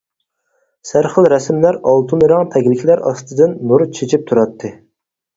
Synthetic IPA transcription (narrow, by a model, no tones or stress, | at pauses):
sæɾχəlɾɛsmlæɾɑlˠt̪ʰunɨɾɑŋt̪ʰɛɡʲlɪkʲʰlæɾɑst̪ɨd̪ɨnːuɾt͡ʃʰet͡ʃʰip̚t̪ʰuɾɑt̪ʰːɨ